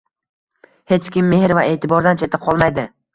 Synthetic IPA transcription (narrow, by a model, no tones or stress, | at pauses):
he̞t͡ʃkʲɪmːe̞hɾvae̞ːt̪ʰɪbɒɾd̪ant͡ʃʰe̞t̪ʰɪqʰɒlˠmajd̪ɪ